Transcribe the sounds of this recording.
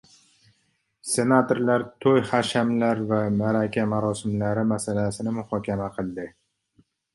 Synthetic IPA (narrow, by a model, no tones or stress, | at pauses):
se̞nat̪ʰoɾlaɾt̪ʰojhaʃamlaɾvamaɾakʲʰamaɾɒsɪmlaɾɪmasalasɪnɪmʊhɒkʲʰamaqʰɨlˠd̪ɪ